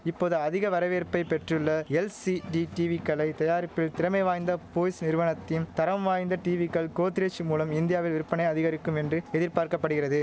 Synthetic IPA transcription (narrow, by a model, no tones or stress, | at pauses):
ɪpːoːðɯɐðɪɣɐʋɐɾɐʋeːɾpɐɪpɛʈrɯɭːɐɛlsiɖiʈiːʋikɐɭɐɪt̪ɐjaːɾɪpːɪlt̪ɪɾɐmɐɪʋaːjnd̪ɐpoːjɪsnɪɾʋɐnɐt̪ːɪjɯmt̪ɐɾɐmʋaːjnd̪ɐʈiːʋɪkɐɭkoːt̪ːɪɾet͡ʃːmuːlɐmɪnd̪ɪjaːʋɪlʋɪɾɯpːɐnɐɪɐðɪɣɐɾɪkːɯmɛndrɯɛðɪɾpaːɾkɐpːɐɽɯɣɪrɐðɯ